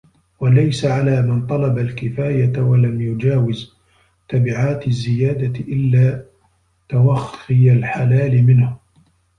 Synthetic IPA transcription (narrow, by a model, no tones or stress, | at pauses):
walajsaʕalaːmant̪ˤɑlɑbalkɪfaːjawalamjʊd͡ʒaːwɪz | t̪abɪʕaːt̪ɪzːɪjaːd̪aʔɪlːaː | t̪awaxɪjalħalaːlɪmɪnhʊ